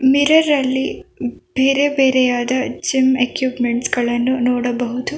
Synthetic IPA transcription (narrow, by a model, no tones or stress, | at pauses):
miɾɐɾɐlːib̥eːɾebeːɾɛjaːd̪ɐd͡ʒimekjuːpmeɳʈsɡɐɭɐnːunoːɽɐbɐɦut̪u